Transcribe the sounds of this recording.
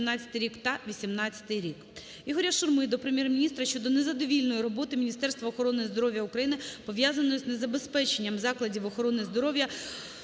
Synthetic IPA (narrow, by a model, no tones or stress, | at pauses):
mnɑt͡sʲɐ̥t̪ɪɾʲikt̪ɐʋʲisʲimnɑt͡sʲːɐ̥t̪ɪjɾʲik | jʲɪɦɔɾʲjaʃʊrmʊjɛd̪ɔpɾemʲjɛrmʲinʲist̪ɾɐʃt͡ʃɔd̪ɔnezɐd̪ɔʋʲilʲnɔjiɾɔbɔt̪ɪmʲnʲist̪ɛrst̪ʋɐɔxɔɾɔnɪizd̪ɔɾɔʋʲjɐukɾɐjinɪpɔʋʲjazɐnɔjznezɐbespɛt͡ʃenʲːɐmzɑklˠɐdʲiwɔxɔɾɔnɪzd̪ɔɾɔwjɐ